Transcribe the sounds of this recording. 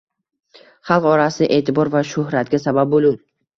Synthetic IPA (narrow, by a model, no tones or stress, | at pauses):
χɑlˠqɒɾasɪɪʔe̞ːt̪ʰɪbɒɾvaʃʊhɾat̪̚ɡʲasabab̚bolˠu